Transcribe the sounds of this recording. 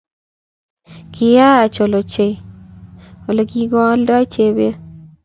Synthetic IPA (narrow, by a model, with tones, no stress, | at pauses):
kɪ˨ja˦a˨t͡ʃo˨lo˨t͡ʃe˨ | o˨lo˨ɡi˦ɡɔ˦lda˦t͡ʃe˨be˦